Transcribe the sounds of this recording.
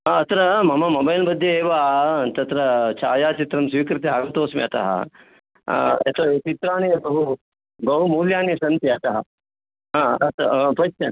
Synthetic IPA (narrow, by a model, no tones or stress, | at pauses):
aɐt̪ɾɐmɐmɐmɐbɐjlbɐd̪ʱjɐeːʋaːt̪ɐt̪ɾɐt͡ʃaːjaːt͡ʃit̪ɾɐmsʋiːkɾɪt̪eaːɡɐnt̪oːsmḭɐt̪ɐ̰ɦɐ̰ | ɐ̰t̪ɐt͡ʃit̪ɾaːnibɐɦu | ɡɐwmuːljaːniɐsɐnt̪iɐt̪ɐɦɐ̰ | ɦãɐt̪ɐ̰pɐt͡ʃɐ